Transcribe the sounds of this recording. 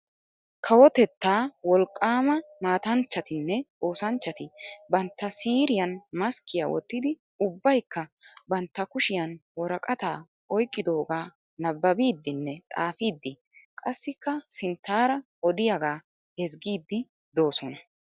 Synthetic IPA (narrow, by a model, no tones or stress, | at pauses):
kʰɐwɔt̪ɛt̪ːaːwɔlkʼːaːmɐmaːt̪ɐnt͡ʃːɐt̪ɪnːɛʔo̞ːsɐnt͡ʃːɐt̪ɪbɐnt̪ːɐsiːɾɪjɐnmɐskɪja̰wɔ̰t̪ːɪd̪ɪ | ʊbːɐjkːɐbɐnt̪ːɐkʊʃɪjɐnwɔɾɐkʼɐt̪aː | ɔjkʼːɪd̪o̞ːɡaː | nɐbːɐbiːd̪ːɪnːɛt̪ʼaːfiːd̪ːɪ | kʼɐsːɪkːɐsɪnt̪ːaːɾɐ | ɔd̪ɪjɐɡaː | hɛsɡiːd̪ːɪ | d̪o̞ːsɔnɐ